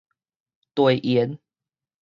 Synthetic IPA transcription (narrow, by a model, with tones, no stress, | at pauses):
t̪we˨˩ɪʔiɛ˨˦n